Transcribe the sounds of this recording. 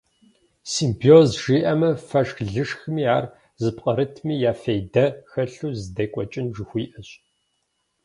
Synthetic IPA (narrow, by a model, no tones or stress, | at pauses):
siːmpʰioːzʒiːʔɐmɐfɐʂxɮɨʂxmiːaːr | zɨpqʼɐɾɨtʰmiːjaːfejdɐxɐɬuːzɨdɐkʷʼɔt͡ʃʼɪnʒɪxʷiːʔɐɕʼ